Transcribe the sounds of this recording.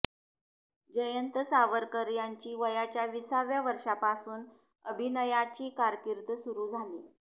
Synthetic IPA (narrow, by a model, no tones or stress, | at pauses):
d͡ʑəjənt̪əsaʋəɾkəɾjaɲt͡ɕiːʋəjat͡ɕjaʋisaʋjaʋəɾʂapasuːn | əbʱinəjat͡ɕiːkaɾkiɾt̪əsuɾuːd͡zʱalḭː